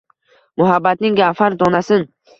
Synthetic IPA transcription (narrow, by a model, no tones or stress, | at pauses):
mʊɦabːat̪̚nɪŋɡafaɾd̪ɒnasɪn